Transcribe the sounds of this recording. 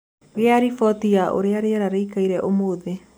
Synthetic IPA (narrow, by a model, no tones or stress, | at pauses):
ɣeaɾifɔtiaʔo̰ɾeaɾeaɾaɾeikaiɾɛʔomoːðe